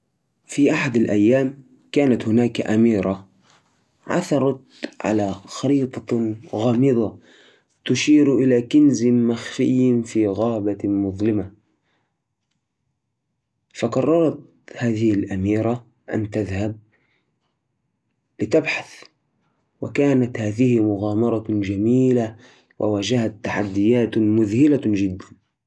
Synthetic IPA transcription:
fiʔaħad̪alʔajːaːm | kaːnat̪hʊnaːkʔamiːɾˤa | ʕa̰θɑɾˤɑt̪ | ʕa̰laxɑɾiːt̪ˤɑɣaːmɨðˤɑ | t̪ʊʃiːɾʔɪlakɪnzɪmaxfɪjːnfiːɣaːbamʊðˤlɪma | faqɑrˤːɑɾˤɑt̪̚ | haːðɪhɪlʔamiːɾˤa | ʔa̰nt̪aðhab̚ | lɪt̪abħaθ | wakaːnat̪haːðɪhɪmʊɣaːmɑɾˤɑd͡ʒamiːla | wʔa̰waːd͡ʒahat̪ːaħad̪ːɪjaːt̪mʊðhɪlad͡ʒɪd̪ːan

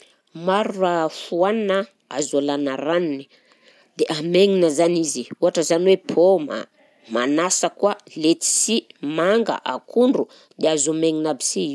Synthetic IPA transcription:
maɾuafuaninə | azalanaɾanini̥ | d̪̥eʔameŋinəzaniziuaʈ͡ʂəzaniwepʰoma̰ | manasəkwalet̪i̥simaŋɡa̰ʔa̰kʰuɳɖ͡ʐu | d̪eazumeŋinabi̥siiu

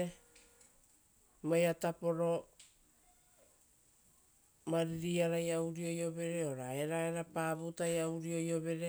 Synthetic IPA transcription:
majatapo̞ɾo̞ | maɾiɾiaɾajawɾio̞jo̞be̞ɾe̞oɾaeɾaeɾapaːbutajawɾio̞jo̞be̞ɾe

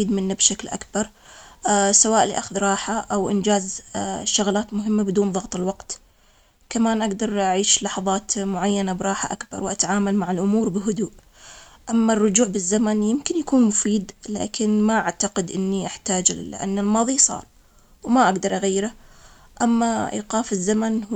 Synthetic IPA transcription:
iːd̪mɪnːabʃaklʔa̰kbɑɾˤ | sawaːʔlḭʔaxʊðɾˤɑːħaʔawʔɪ̰nd͡ʒaːzʃʊɣlaːt̪mʊɦɪmːabɪd̪uːnðˤɑɣt̪ˤɪlwɑqt̪ | kamaːnʔaɡd̪ɑɾˤʔaʕiːʃlɑħɑðˤɑːt̪mʊʕajːanabɾˤɑːħaʔakbɑ̰ɾˤwʔat̪aʕaːmalmaʕɪlʔʊmuːɾbɪɦʊd̪uːʔ | ʔamːarˤːʊd͡ʒuːʕbɪzːamanjɪmkɪnjakuːnmʊfiːd̪la̰ːkʰɪnmaʔaʕt̪aqɪd̪ʔɪnːiʔaħt̪aːd͡ʒʔa̰nːalmɑːðˤisˤɑ̰ːɾˤ | wmaʔaɡd̪ɑɾˤʔaɣajːɪɾa | ʔamːaʔḭːqɑːfɪzːaman

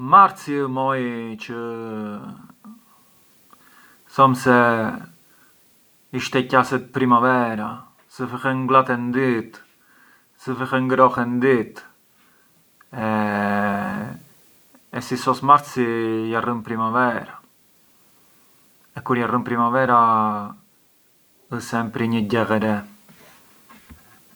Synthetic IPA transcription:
maɾt̪simɔjt͡ʃə | θɔmsɛ | iʃt̪ɛcasɛt̪̚pɾimavɛɾa | səfəxɛŋɡlˠat̪ɛnd̪it̪ | səfɛxɛŋɡɾɔxɛnd̪it̪ | ɛ | sisɔsmaɾt̪sijarəmpɾimavɛɾa | ɛkuɾjarəmpɾimavɛɾa | əsɛmpɾiɲəɟɛɣɛɾɛ

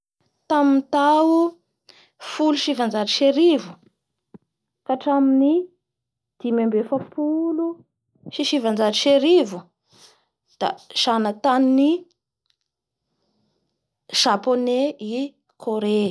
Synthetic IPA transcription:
t̪amint̪awu | fuluʃivand͡ʒaɾiʃeɾivu | kaʈ͡ʂamini | d̪̥imambefəpulu | ʃiʃivand͡ʒaʈ͡ʂiʃeɾivu | d̪̥az̥anat̪anini | ʒ̥aponei | kʰoɾe

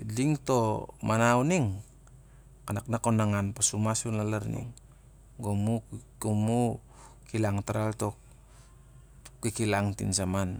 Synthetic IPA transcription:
diŋto̞manawniŋ | kanaknakonaŋanpasumasunlalaɾnḭŋ | ɡomuɡomu | kilaŋtaɾaltok̚ | kːikilaŋtḭnsaman

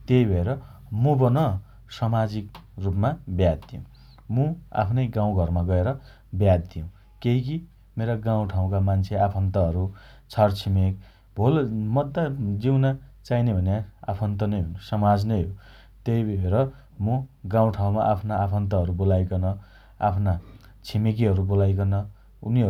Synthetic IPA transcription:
t̪ejbʱʌeɾʌ | mubʌnʌ | sʌmad͡zikrupmabjad̪̚d̪ijõ | mua̰pʰnʌjɡãw̃ɡʱʌrmaɡʌeɾʌ | bjad̪̚ːijũ | keɦiki | meɾaɡãw̃ʈʰaw̃kamant͡sʰeapʰʌnt̪ʌɦʌɾu | t͡sʰʌrt͡sʰimek̚ | bʱolmʌd̪ːad͡ziwnat͡sainebʱʌnjaa̰pʰʌnt̪̬ʌnʌjɦonsʌmad͡znʌjɦo | t̪ejbʱeɾʌ | muɡãw̃ʈʰaw̃maʔapʰnaapʰʌnt̪ʌɦʌɾubolajkonʌ | a̰pʰna | t͡sʰimek̬iɦʌɾubolajkonʌ | uniʌ

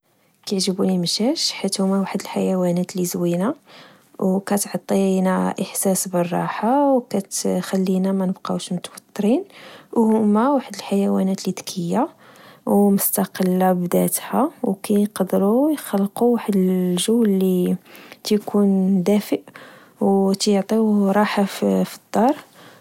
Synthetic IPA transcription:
kjəʕʒəbunimʃæʃħit̪hʊmːæwaħəd̪əlħajæwænæt̪lizwina | wkæt̪ʕɑt̪ˤːinæʔəħsæsbərˤːɑ̰ħawkæt̪xælːinæmænəbqɑʃmʊt̪wɑt̪ˤːɾinwhʊmːæwaħəd̪əlħajæwænæt̪lid̪kʰəjːawmʊst̪ɑqəlːabd̪æt̪hawkæjqɑd̪ɾujxɑlːquwaħəd̪əʒuwːllit̪kʰund̪æfəʔ | wt̪jʕt̪ˤiɾˤɑħafid̪̥ˤːɑɾˤ

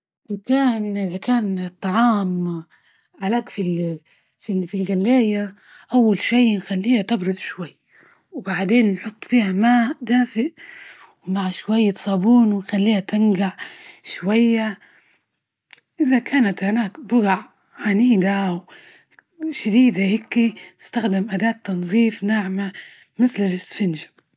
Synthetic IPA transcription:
ʔʔzakaːnʔɪðakaːnt̪ˤːɑʕɑːm | ʕalaːkfil | fifilɣalːeːja | ʔawːalʃajnxalːiːhat̪ɪbɾʊd̪ˤʃwajː | wbaʕd̪eːnːħʊt̪ˤːfiːhamaːʔd̪aːfɪʔ | wmaʕʃwajːat̪sˤɑːbuːnwɪnxalːiːhat̪ɪnɡaʕʃwajːa | ʔɪðakʰaːnat̪hanaːkbʊɣaʕ | ʕaniːd̪aw | ʃad̪iːd̪ahɪkːinɪst̪axd̪ɪmʔad̪aːt̪ːɑnzˤiːfnaʕma | mɪθlɪlɪsfɪnʒḁ

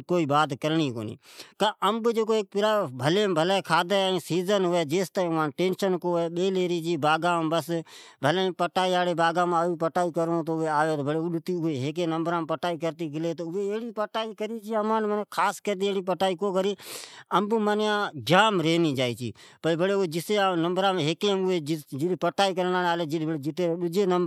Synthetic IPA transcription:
koːiːbaːd̪kəɾɳiːko̰ːnḭːkãːʔəmbd͡ʒeːkoːeːk̚pɪɾaːbʱəleːmbʱəleːkʰaːd̪əĩːsiːzənɦʊʋɛːd͡ʒeːst̪ãːãːnʈeːnʃənkoːeːɓeːleːɾiːt͡ʃiːbaːɡaːmbəs | bʱəleːpəʈaːiːaːɽeːbaːɡãːmaːiːpəʈaːiːkəɾõt̪oʋeːaːjoːt̪oːbʱəɽeːʊɗʊt̪iʊeɦeːk̬enəmbɾãːmpəʈaːik̬əɾt̪ikɪleːt̪oʊʋeeːɽipəʈaːikəɾit͡ʃʰiəmaːnmənekʰaːskəɾt̪ieːɽip̬əʈaːikoːkəɾiəmbumənjãd͡ʒaːmɾeːnid͡ʒaːit͡ʃʰḭː | pəbʱəɽeʊed͡ʒɪseanəmbɾãːmeɦekẽmʊed͡ʒɪd͡ʒɪɗpəʈaːik̬əɾnaːnaːled͡ʒɪdbəɽed͡ʒɪt̪eɾɗʊd͡ʒeːnəmb

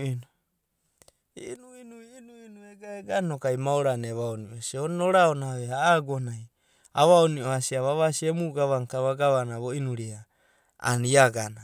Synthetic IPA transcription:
inu | inuinuinuinueɡaeɡanokajmaoɾaneβaoniosionoɾaonaβeaːɡonaj | a̰βaonioasiaβaβasiemuɡaβaŋkaβaɡaβanaβoinuɾia | a̰niaɡana

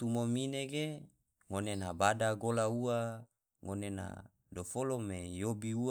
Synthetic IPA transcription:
t̪umomineɡe | ŋonenabadaɡolauwa | ŋonena̰ | dofolomejobiu

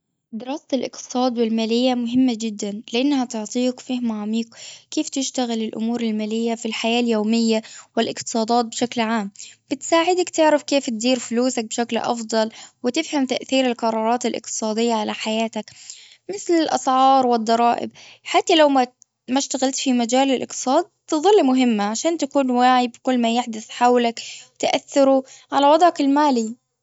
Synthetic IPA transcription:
d̪ɪɾɑːst̪alʔɪ̰qt̪ɨ̥sˤɑːd̪wɪlmaːlɪjːamʊɦɪmːad͡ʒɪd̪ːanlɪʔanːhat̪ʊʕt̪ˤiːkfɪhmaʕamiːkkːeːft̪ɪʃt̪aɣɪlɪlʔʊ̰muːɾɪlmaːlɪjːafilħajaːljoːmɪjːawɪlʔɪqt̪ɨ̥sˤɑːd̪ˤɑːt̪̚bʃaklʕaːmb̥ɪt̪saːʕɪd̪akt̪ɪʕɾafkeːft̪̚d̪iːɾfʊluːsak̚bʃaklʔɑ̰fd̪ˤɑlwɪt̪ɪfhamt̪aʔθiːɾɪlqɑɾˤɑːɾˤɑːt̪ɪlʔɪ̰q̚t̪ɨ̥sˤɑːd̪ɪjːaʕalaħajaːt̪ak | mɪθlɪlʔɑsˤʕɑːɾˤwɪd̪ˤːɑɾˤɑːʔɪ̰bħat̪ːalawma | maʃt̪aɣalt̪fimad͡ʒaːlɪlʔɪ̰qt̪ɨ̥sˤɑːd̪̚t̪ɨðˤɨlːmʊɦɪmːaʕaʃaːnt̪akuːnwaːʕibɪkʊlːmajɪħd̪ʊθħawlakwɪt̪aʔaθːɪɾuʕalawɑd̪ˤʕakɪlmaːli

